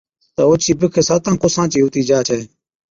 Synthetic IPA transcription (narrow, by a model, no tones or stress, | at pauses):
t̪aʊt͡ʃʰiːbɪkʰeːsaːt̪ãːkʊsãːt͡ʃiːɦʊt̪iːd͡ʒaːt͡ʃʰɛː